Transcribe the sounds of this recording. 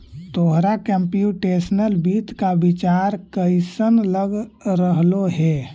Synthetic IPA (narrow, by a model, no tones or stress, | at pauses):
t̪oɦɾakɛmpijuʈesnəlbiːt̪kabit͡ʃaɾkəɪsənləɡɾəɦloɦɛ